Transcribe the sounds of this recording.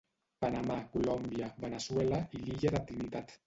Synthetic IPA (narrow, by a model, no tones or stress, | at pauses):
panamakulombjaβenaswelaiʎiʎeðat̪ɾinit̪at̪